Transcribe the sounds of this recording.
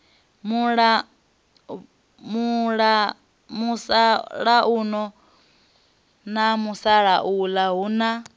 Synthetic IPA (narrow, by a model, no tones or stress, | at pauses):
muɺa | muɺa | musaɺaʔunɔ | namusaɺaʔulaɦuna